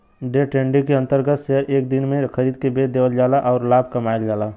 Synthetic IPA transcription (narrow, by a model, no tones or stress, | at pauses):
ɖeʈẽːɳɖikeə̃nt̪əɾɡət̪seɦəɾʔeːk̚d̪ɪnmẽxəɾiːd̪kebed̪eːʋəld͡ʒaːlaʔɔːɾlaːb̚ʱkɐmaːjəld͡ʒaːla